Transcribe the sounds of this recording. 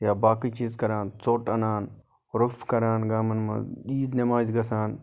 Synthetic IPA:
jaːbaːkiːt͡ʃiːzkɐɾaːnt͡soːʈɐnaːn | ɾufkɐɾaːnɡaːmɐnmɐ̰iːd̪nemaːzɡɐsaːn

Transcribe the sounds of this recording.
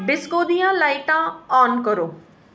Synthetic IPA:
bɪskoːd̪ijãlaːiʈãɔːnkəɾoː

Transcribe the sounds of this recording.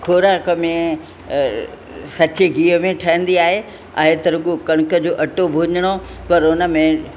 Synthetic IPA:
kʰoːɾaːkəmẽ | sɐt͡ɕeɡiːəmẽʈʰɐɦə̃n̆d̪iaːɦe | a̰ːɦet̪ɐɾʊɠokɐɽ̃kə̆d͡ʑoːʔɐʈobʱʊɲəɽ̃opɐɾʊnə̆mẽ

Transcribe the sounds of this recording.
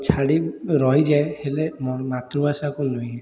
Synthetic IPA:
t͡ʃʰaɽiɾɔɦid͡ʒajhelemɔɾmat̪ɾubasakɔnojɛ

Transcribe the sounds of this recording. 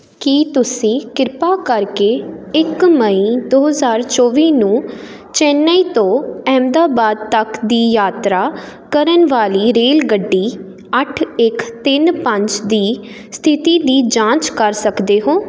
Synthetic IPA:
kiːt̪ʊsĩːkɪɾpaːkəɾkeːɪkməiːd̪oːɦəzaːɾt͡ʃɔːʋiːnũː | t͡ʃɛːnːaiːt̪õːɛːmd̪aːbaːd̪̚t̪əkd̪iːjaːt̪ɾaːkəɾənʋaːliːɾeːlɡəɖːiː | əʈʰɪkt̪ɪnpə̃ɲt͡ʃd̪iː | st̪ʰɪt̪iːd̪iːd͡ʒãːt͡ʃkəɾsəkd̪eːɦoː

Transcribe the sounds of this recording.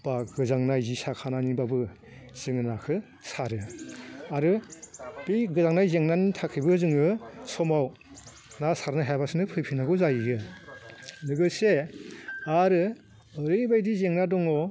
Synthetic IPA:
b̥aɡ̥ɯzaŋnajzisakʰananibabɯ | z̥ɯŋɯnakʰɯ | saɾɯ | aɾɯ | b̥iɡɯzaŋnajzeŋnanitʰakʰibɯzɯŋɯsɔmaw | nasaɾnɯɦajbasɯnɯpʰɯjpʰinaɡɯwzajiɡɯ | nɯɡɯse | aɾɯ | ɯɾɯbajdizeŋnadɔŋɔ

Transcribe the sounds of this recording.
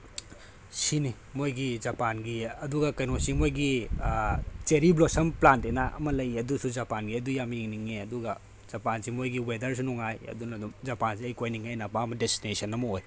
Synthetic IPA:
sini | mojɡid͡ʒɐpanɡiɐduɡɐkɐjnosimojɡi | t͡ʃeɾiblosɐmplantenaʔɐ̰mɐlɐjɐdusud͡ʒɐpanɡiɐdujamjiŋniŋeɐduɡɐ | z̥ɐpansimojɡiwedɐɾsinɔŋajɐ̰dunɐdumzɐpans̬iɐjkojniŋajnapaɐmɐdestinesɐnɐmɐoj

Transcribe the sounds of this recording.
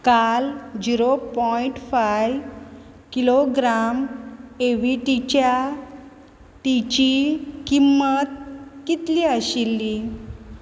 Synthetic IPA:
kald͡ʑiɾopɔiɳʈfaj | kiloɡɾameʋiʈ̪it͡ɕja | t̪it͡ɕikimːət̪̚kit̪liəɕilːi

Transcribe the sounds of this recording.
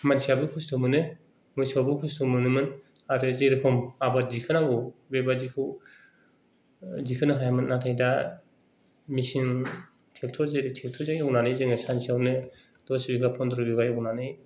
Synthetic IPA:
mansijabɯkʰustʰɔmɯnɯ | mujsiawbɯkʰustʰumɯnɯmɯn | aɾɯzeɾikʰɔmabadikʰɯnaŋɡɯwbebazikʰɯw | dikʰɯnɯɦajamɯnːatʰajda | misiŋ | tʰek̚tʰɔɾzeɾitʰek̚tʰɔzajɔknanɯjzɯŋɯsansijawnɯ | dɔsbiɡapʰɔndɾɯbiɡajɔknanɯj

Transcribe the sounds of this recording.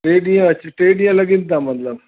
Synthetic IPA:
ʈeɖijãt͡ɕiʈeɖijãləɡint̪amət̪ləb

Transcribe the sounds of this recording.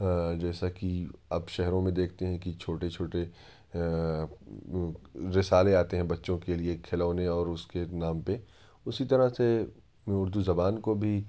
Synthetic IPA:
d͡ʒɛːsakiɐbʃɛɦɾõmẽd̪eːkʰt̪eɦɛ̃kit͡ʃʰoːʈet͡ʃʰoːʈe | ɾɪsaːleaːt̪eɦɛ̃bɐtːʃõkeliekʰɪlaːnẽɔːɾʊskenaːmpe | ʊsit̪ɐɾase | mɛ̃ʊɾd̪uzɐbaːnkobʱi

